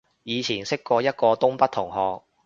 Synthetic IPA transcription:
jiː˨˧t͡sʰiː˨˩nsɪ˥kːɔː˧jɐ˥t̚kɔː˧t̪ʊ˥ŋpɐ˥t̪ʰʊ˨˩ŋhɔː˨˧k̚

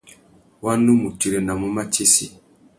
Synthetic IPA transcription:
wa˦ndu˦mu˨ti˦ɾe˦na˨mu˦ma˦t͡ʃe˦si˨

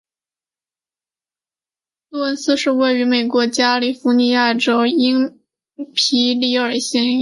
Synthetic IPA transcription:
lu˥ə˧˥nsɹ̩˥˧ʂɻ̩˥˧we˥˩ɪy˧˥me˨˩ɪkwɔ˧˥t͡ɕja˥li˨˩fu˧˥ni˧˥ja˥˩ʈ͡ʂo˥ʊi˥ŋ | pʰi˧˥li˧˥ə˞˨˩ɕjɛ˥n

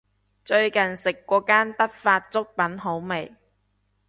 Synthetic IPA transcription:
t͡ʃɵ˧ɥkɐ˨nsɪ˨kːʷɔː˧kaː˥nt̪ɐ˥t̚faː˧t̚t͡sʊ˥k̚pɐ˨˥nɦo˨˥wme˨˩j

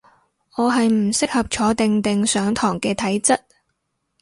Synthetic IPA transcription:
ŋɔː˨˧ɦɐ˨jm̩˨˩sɪ˥k̚hɐ˨p̚t͡ʃʰɔː˨˧t̪ɪ˨ŋt̪ɪ˨ŋsœː˨˥ŋt̪ʰɔː˨˩ŋkɛː˧t̪ʰɐ˨˥jt͡sɐ˥t̚

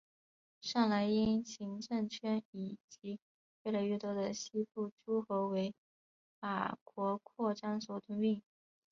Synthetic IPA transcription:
ʂɑ˥˩ŋla˧˥ɪi˥nɕi˧˥ŋʈ͡ʂɤ˥˧ŋt͡ɕʰɥɛ˥ni˨˩t͡ɕi˧˥ | we˥˩ɪla˧˥ɪɥɛ˥˩t̪wɔ˥d̪ə˨ɕi˥pu˥˩ʈ͡ʂu˥xo˧˥ʊwe˧˥ɪ | fa̰˨˩kwɔ˧˥kʰwɔ˥˩ʈ͡ʂa˥nswɔ˨˩t̪ʰʊ˧˥ŋli˥˩ŋ

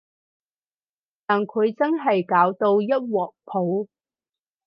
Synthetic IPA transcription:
t̪aː˨nkʰɵ˨˧ɥt͡sɐ˥nɦɐ˨jkaː˨˥wt̪o˧wjɐ˥t̚wɔː˨k̚pʰo˨˥w

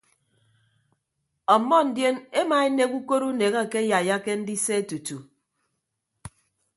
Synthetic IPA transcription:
ɔ˨mːɔ˦n̩˨˦dje˦ne˦maː˨e˦ne˦ku˦ko˦ɾu˦ne˨ɣa˦˨ke˦ja˨ja˦ke˦n̩˦di˦se˦e˦tu˨tu˨

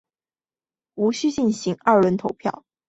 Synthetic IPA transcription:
u˧˥ɕy˥t͡ɕi˥˩nɕi˧˥ŋɐ˞˥˩ɻə˧˥nt̪ʰo˧˥ʊpʰjɑ̰˥˩ʊ

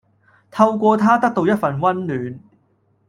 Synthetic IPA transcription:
t̪ʰɐ˧wkʷɔː˧t̪ʰaː˥t̪ɐ˥k̚t̪o˧wjɐ˥t̚fɐ˨nwɐ˥nlyː˨˧n

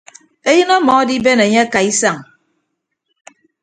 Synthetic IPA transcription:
e˦jɨ˦nɔ˦mɔ˨˦di˦be˦ne˨ɲe˦a˦ka˨i˦sa˦˨ŋ

